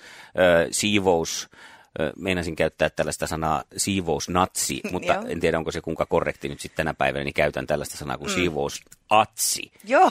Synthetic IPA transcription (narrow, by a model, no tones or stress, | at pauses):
əːsiːʋous | meinɑsiŋkæyt̪ːæːt̪t̪ælːæst̪æsɑnɑːsiːʋousnɑt̪sḭmut̪ːɑḛnt̪ieɾæoŋkosekuŋkɑkorːḛkt̪inyt̪sit̪t̪ænæpæiʋænæ̰nikæyt̪æ̰nt̪ælːæst̪æsɑnɑ̰ːkunsiːʋousʔɑt̪sḭjo